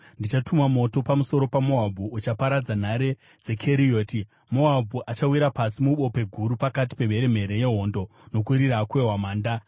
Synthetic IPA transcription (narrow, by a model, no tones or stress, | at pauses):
ndit͡ʃatumwamo̞to̞pamuso̞ɾo̞pamoɦabʱuʔːt͡ʃapaɾad͡zan̤aɾe̞ | d͡ze̞kʰeɾio̞ːti | mo̞ɦabʱuʔat͡ʃawiɾapasimuɓo̞pe̞ɡʱuɾupakati̥pe̞ʋe̞ɾe̞m̤e̞ɾe̞je̞ɦo̞ːndo̞ | no̞k̬uɾiɾakwe̞ɦwamaːnda